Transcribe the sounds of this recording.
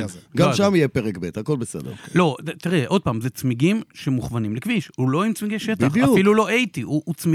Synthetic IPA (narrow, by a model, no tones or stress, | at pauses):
ɡaʃamijepeʁekbet̪hako̞lbesḛd̪eʁlo̞t̪iʁɛʔo̞d̪̚paːmzet͡smiɡimʃemuχvanimlekviʃhulo̞imt͡smiɡejʃetaχaufilulo̞ʔejt̪iuːt͡smi